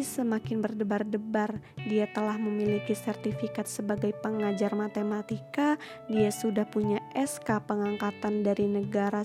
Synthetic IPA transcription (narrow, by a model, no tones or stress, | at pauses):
isəmakɪnbərdəbardəbar | diat̪əlahməmilikisɛrt̪ifikat̪̚səbaɡajpəŋad͡ʒarmat̪emat̪ika | diasudahpuɲaʔɛskapəŋaŋkat̪andaɾinəɡaɾa